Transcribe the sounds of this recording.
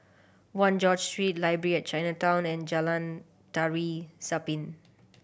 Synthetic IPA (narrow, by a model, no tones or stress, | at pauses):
wãnd͡ʒɔd͡ʒstɹit̚laɪjbəɹiɛt̚t͡ʃãjnatãw̃nɛ̃nd͡ʒalãn | taɹisapĩn